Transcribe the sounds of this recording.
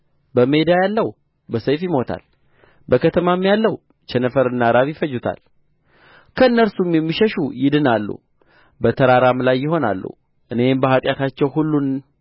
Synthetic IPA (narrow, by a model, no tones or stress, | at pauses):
bəme̞d̪ajalːəw | bəsəjfjɪmo̞t̪ʰa̰l | bəkʰət̪ʰəmamjalːəw | t͡ʃɛnəfəɾɨnːaɾaβjɪfəjːut̪ʰa̰l | kʰəɨnːəɾsumjɛmːiʃɛʃujɪd̪ɨnalːṵ | bət̪ʰəɾaɾamlajːɪho̞na̰lːṵ | ʔɨne̞mbəɦat̪ʼjat̪ʰat͡ʃːɛwɦulːun